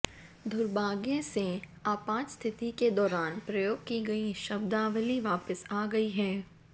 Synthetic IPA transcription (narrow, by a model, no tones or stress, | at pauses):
d̪ʊɾbaːɡjẽse | aːpãːt͡ʃst̪ʰɪt̪iked̪ɔːɾaːnpɾɐjoːɡ̚kiɡɐiʃɐbd̪aːʋəliʋaːpəsaːɡɐiɦɛː